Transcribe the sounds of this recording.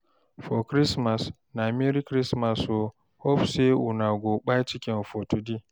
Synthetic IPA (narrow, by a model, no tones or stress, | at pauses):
fokɾismas | namiɾikɾismaso | hɔɸseʔunaɡʷoɓajt͡ʃɪkʲɪnfotudi